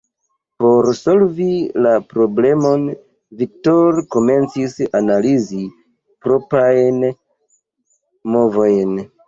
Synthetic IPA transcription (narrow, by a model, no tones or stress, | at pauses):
po̞ɾso̞lvilapɾo̞ble̞mo̞n | vik̚to̞ɾko̞me̞nt͡sisanalizi | pɾo̞pajn | mo̞vo̞jn